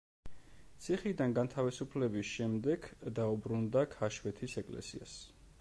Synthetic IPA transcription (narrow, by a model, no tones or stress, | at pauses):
t̪sʰiχid̪anɡant̪ʰavisupʰlɛbisʃɛmd̪ɛɡd̪aubɾund̪akʰaʃwɛt̪ʰisɛkʼlɛ̰sḭa̰s